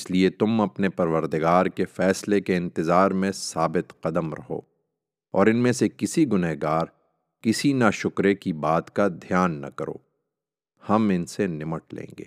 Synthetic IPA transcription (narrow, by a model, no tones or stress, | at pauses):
ɪsliet̪ʊmɐpnepɐɾʋəɾd̪ɪɡaːɾkefɛːslekeɪ̃nt̪ɪzaːɾmẽsaːbɪt̪qɐd̪əmɾɐ̰ɦo̰ː | ɔːɾɪnmẽsekɪsiɡʊnɛɦɡaːɾ | kɪsinaʃʊkɾekibaːt̪kad̪ʱijaːnːɐ̰kɐɾo̰ː | hɐmɪnsenɪməʈlḛ̃ːŋɡḛː